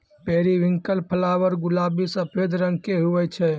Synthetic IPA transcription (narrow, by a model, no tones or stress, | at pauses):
peɾiʋiŋkəlpʰəlaʋəɾɡulabisəpʰed̪ɾəŋkeɦuʋɛt͡ʃʰɛ